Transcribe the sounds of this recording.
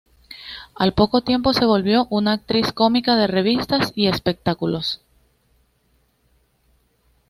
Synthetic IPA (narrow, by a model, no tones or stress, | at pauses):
alpo̞ko̞t̪je̞mpo̞se̞βo̞lβjo̞ʔunaːk̚t̪ɾisko̞mikað̞e̞re̞β̞ist̪asie̞spe̞k̚t̪akulo̞s